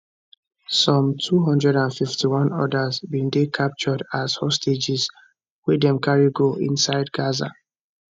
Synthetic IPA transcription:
sɔ̃mtʰuɦʌ̃ndɹɛɾãnfiftiwɔ̃nɔ̰dazbĩndekʰap̚t͡ʃɔdaz̥hɔsted͡ʒiz | wɛdɛ̃mkʰaɹiɡoʔḭ̃nsaɪdɡaza̰

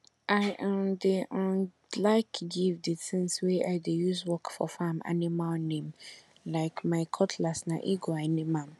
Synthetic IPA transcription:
ʔaɪʔdeɔ̃n | laɪkɡivdɪtʰɪ̃nsweʔaɪdejuswɔkfɔ̰fãma̰nɪ̃mãlnẽm | laɪkmãɪkʰɔtʰlasnã̰ʔiɡoanɪ̃mãm

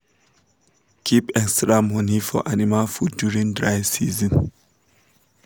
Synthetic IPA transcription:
kʰipɛkstɹamɔnifɔ̰ʔanimalfuduɹĩŋdɹajsizə̃n

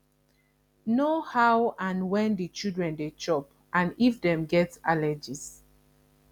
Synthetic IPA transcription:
nohawãnwɛ̃ndit͡ʃildɹɛ̃ndet͡ʃɔp | ʔãnifdɛ̃mɡɛtalɛd͡ʒis

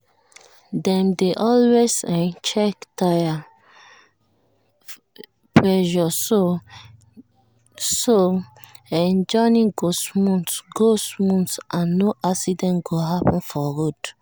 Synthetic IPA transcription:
dɛ̃mdeʔɔlwezɛnt͡ʃɛktʰaja | pʰɹɛʒɔso | so | ɛ̃nd͡ʒɔ̃nĩŋɡosmũntɡosmũntsʔãnːoʔaksidɛ̃nɡoɦapɔ̃nfɔɡud

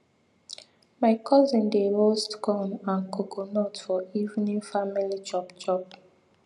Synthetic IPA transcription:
maɪkʰɔzĩndeɹostkʰɔ̃mãnkʰokʰonɔtfɔivnĩnfamilit͡ʃɔpt͡ʃɔp̚

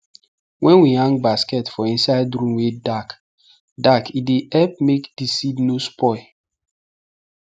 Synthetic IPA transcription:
wʔɛ̃nwihãŋbaskɛtfɔĩnsaɪdɾũmwedak | dakʰideʔɛp̚mekd̥isidnospʰɔɪ

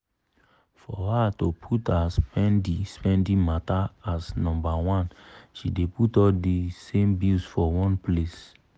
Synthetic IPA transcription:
fɔhatopʰutʰaspɛ̃ndispɛ̃ndĩmataːsnɔ̃mbawɔ̃nʃideputɔdisẽmbilsfɔwɔ̃nples

